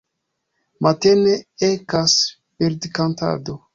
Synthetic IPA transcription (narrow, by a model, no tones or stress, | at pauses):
mateneekas | peɾdekanta̰do